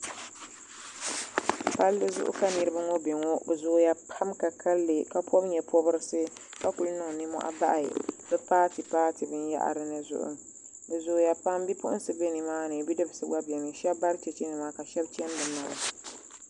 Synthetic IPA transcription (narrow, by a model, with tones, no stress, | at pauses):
pa˦lːɨ˦zʊ̰˦ʔʊ̰˦ka˦nɨ˨ɾɨ˦bɨ˦ŋo˦be˨ŋo˦bɨ˨zʊ˨˦ja˦pʰa˦mka˨kʰa˦lːɨ˨ka˨pʰɔ˦bɲɛ˨pʰɔ˦bɨ˦ɾɨ˦sɨ˦ | ka˦ku˨lnɨ˨ŋ˨nɨ˦mɔ̰˦ʔa̰˦ba̰˦ʔa̰˨bɛ˦paː˦tɨ˨paː˦tɨ˨bɨ˦n˦ja̰˦ʔa̰˨ɾɨ˦nɨ˨zʊ̰˦ʔʊ̰˦ | bɨ˨zʊː˨ja˨pa˦mbi˦pʊ˦ʔʊ˦sɨ˨be˦nɨ˨maː˦nɨ˨bi˦dɨ˦bɨ˨sɨ˦ɡa˦bi˨ɛ˨nɨ˨ʃɛ˦bːa˦ɾɨ˦t͡ʃɛ˨t͡ʃɛ˦nɨ˨maː˦ka˨ʃɛ˦bt͡ʃɛ˦m˦bɨ˨na˨la˨